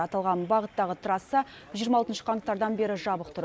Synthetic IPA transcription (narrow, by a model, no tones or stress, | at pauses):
ɑt̪ɑlˠʁɑnbɑʁət̪ːɑʁət̪ʰəɾɑsːə | ʒijəɾmɑlˠt̪ənʃə̥qʰɑŋt̪ːɑɾd̪ɑnbe̞ɾɪʒɑbəq̚t̪ʰʊɾ